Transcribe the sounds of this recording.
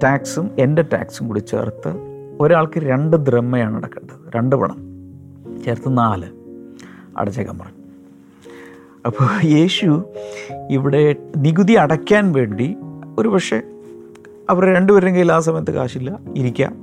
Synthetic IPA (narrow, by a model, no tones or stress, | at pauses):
taːksume̞ndetːa̰ːksumkuɽit͡ɕːḛrt̪ːɨ | o̞ɾaːɭkɨɾe̞ɳɖɨd̪remːɐjaːɳɐ̰ɽɐkːɐɳɖɐðɨɾe̞ɳɖɨpɐ̰ɳɐ̰m | t͡ɕeːrt̪ːɨnaːlɨ | ɐ̰ɽɐt͡ɕːɐkːɐ̰mpɐrɐɲː | ɐpːoːje̞ːɕu | iʋiɽe̞niɡuðiɐɽɐkʲːaːnʋe̞ːɳɖio̞ɾupɐkʂe̞̰ | ɐʋɐrɾe̞ɳɖɨʋɐɾuɾeŋɡiilaːs̬ɐmɐjɐt̪ːɨka̰ːɕilːɐiɾikʲːa̰